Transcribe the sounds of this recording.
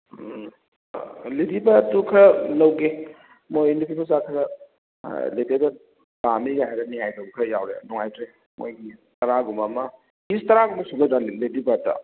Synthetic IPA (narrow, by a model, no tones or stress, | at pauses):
liɾibɐtukʰɐlɐwɡe | mojnipʰimuzakʰɐɾɐ̰ | letedɐ | bamiɡaɦajɾɐniɦajdɐɡukʰɐja̰wɾḛnɔŋajtɾe | mo̰jɡitɐɾaɡumɐmɐ | ɡistɐɾaɡumɐsuɡɐdɾaleɾibɐtɐ̰